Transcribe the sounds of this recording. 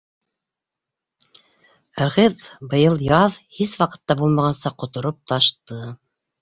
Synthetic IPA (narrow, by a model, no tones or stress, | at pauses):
æɾʁɘðbɤ̆jɤlˠjɑðhiswɑqɤ̆t̪ːɑbulˠmɑʁɑnsɑqŏt̪ŏɾop̚t̪ɑʃt̪ɤ